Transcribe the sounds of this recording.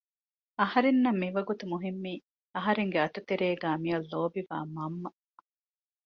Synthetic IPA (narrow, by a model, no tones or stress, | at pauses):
ɐhɐɾenːɐmːiʋɐɡut̪umuɦimːiː | ɐɦɐɾeŋɡeɐt̪ut̪eɾeːɡæːmijɐlːoːbiʋa̰ːmɐmːɐ